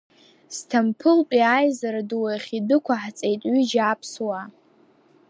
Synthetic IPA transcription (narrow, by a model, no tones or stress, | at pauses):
stʰampʰɨlpʼiajzaɾaduwajχʲidɨkʷʰaħt͡sʼejtʼɥyd͡ʒapʰswa